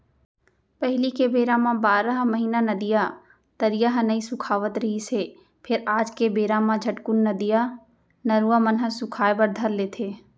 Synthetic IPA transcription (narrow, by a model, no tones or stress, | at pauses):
pɛɦlikebeːɾãmãbaːɾaɦmɐɦiːnanɐd̪ija | t̪ɐɾijaɦnɐisʊkʰaːʋət̪ɾɐɦise | pʰɪɾaːd͡ʒkebeːɾãmãd͡ʒʱɐʈkʊnːɐd̪ija | nɐɾuamɐnɦəsʊkʰaːebɐɾd̪ʱɐɾleːt̪ʰeː